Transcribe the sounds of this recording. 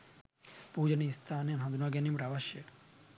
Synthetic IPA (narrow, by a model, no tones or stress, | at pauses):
pud͡ʒənist̪ʰaninɦãd̪unaɡanimpɾaʋaʃjə